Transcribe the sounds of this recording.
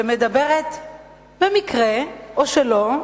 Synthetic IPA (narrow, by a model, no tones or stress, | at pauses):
emed̪abe̞ʁet̪ | bemikʁeʔoʃelo̞